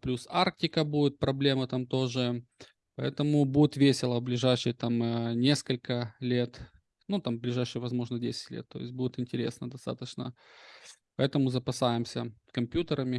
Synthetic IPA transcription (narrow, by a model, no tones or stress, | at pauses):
plʲusark̚tʲɪkəbudʲɪt̪̚pɾɐblʲe̞mɨt̪amt̪o̞ʐɨ | pɐɛ̰t̪əmʊbudʲɪt̪vʲesʲɪlˠəblʲɪʐajʂɨjt̪amnʲe̞skəlʲkəlʲe̞t̪ | nut̪amblʲɪʐajʂɨjvɐzmo̞ʐnədʲesʲɪ̥tʲlʲet̪ːo̞jɪsʲt̚ʲbudʲɪt̪ɪnʲtʲɪɾʲe̞̰snəd̪ɐst̪a̰t̪ət͡ɕnə̰ | pɐɛt̪əmʊzəpɐsajɪmsʲəskɐmpʲjut̪əɾəmʲɪ